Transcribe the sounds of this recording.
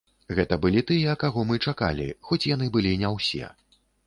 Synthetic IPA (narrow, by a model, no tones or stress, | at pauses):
ɣɛt̪ɐbɨlʲit̪ɨjɛkaɣɔmɨt͡ʂaka̰lʲḭxɔt͡sʲjan̪ɨbɨlʲinʲɛwsʲɛ̰